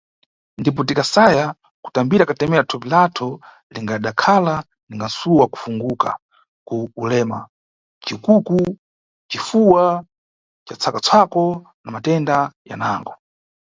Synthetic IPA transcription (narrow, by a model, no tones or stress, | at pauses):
ndip̬ɔtikasaja | ku̥tambiɾakatɛmɛɾatʰɔpilatʰɔ | liŋɡaɗakʰala | liŋɡansuwaku̥fuŋɡuka̰ | kuːlɛma̰ | t͡ʃikuku | t͡ʃifuwa | t͡ʃat͡sʰakat͡sʰwakɔ | namatɛndaja̰naːŋɡɔ